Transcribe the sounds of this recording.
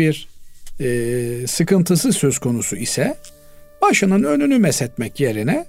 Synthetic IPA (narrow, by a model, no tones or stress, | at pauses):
iɾː | sɯkɯnt̪ʰɯsɯzsø̞z̥kʰo̞nusuisɛ | baʃɯnɯnø̞nynymɛsɛt̪mɛcje̞ɾinɛ